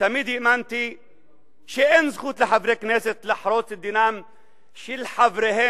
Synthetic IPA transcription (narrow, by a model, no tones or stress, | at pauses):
tamiːd̪iʔmant̪i | ʃiʔenzxuːt̪laħavɾekneːset̪laħɾˤoːt͡sɪd̪ːinaːm | ʃilħavɾehe